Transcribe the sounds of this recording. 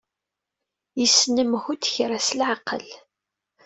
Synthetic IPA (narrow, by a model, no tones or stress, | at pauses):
jəsːnəmhud̪çɾasəlʕaqːə̰l